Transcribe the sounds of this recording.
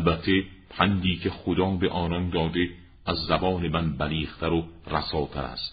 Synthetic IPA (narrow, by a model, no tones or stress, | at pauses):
lbæt̪ʰːe̞pʰænd̪iːcʰe̞xod̪ɒːbe̞ʔɒːnɒnd̪ɒːd̪e̞ | æzːæbɒːne̞mænbæliːχt̪ʰæɾoræsɒːt̪ʰæ̰ɾæ̰st̪